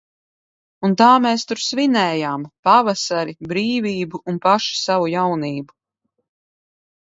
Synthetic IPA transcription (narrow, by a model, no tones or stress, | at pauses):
unt̪aːmɛːst̪uɾsvinɛːjaːmpavasaɾibɾiːviːbuʔunpaʃi̥savujawniːbu